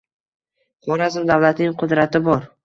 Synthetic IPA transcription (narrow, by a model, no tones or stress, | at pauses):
χɒɾazɪmd̪avlat̪nɪŋqʰʊd̪ɾat̪ʰɪbɒɾ